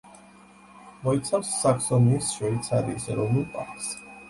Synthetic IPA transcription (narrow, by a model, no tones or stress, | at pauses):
mɔit̪sʰamsːaksɔnisʃwɛit̪sʰaɾḭːsɾɔmulpʼa̰ks